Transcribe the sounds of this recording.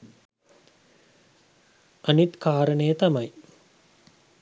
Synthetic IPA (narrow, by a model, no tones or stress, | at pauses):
anit̪kaːɾənəjət̪ɐmɐj